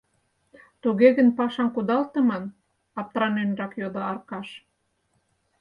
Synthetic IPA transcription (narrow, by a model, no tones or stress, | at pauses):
t̪uɣeɣənpɑʃɑmkud̪ɑlt̪ə̆mɑn | ɑp̚t̪ɾɑnenrɑkjod̪oɑrkɑʃ